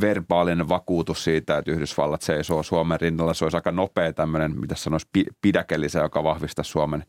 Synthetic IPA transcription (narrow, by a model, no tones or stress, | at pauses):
ʋerbɑːlineʋɑkuːt̪ussiːt̪æet̪yhdysʋɑ̰lːɑt̪seisoːsuɑmerrinːɑlːɑseolisɑikɑnopeːt̪æmːønenmḭt̪æssɑnoispipidækelːisejokɑʋɑhʋist̪ɑssuomen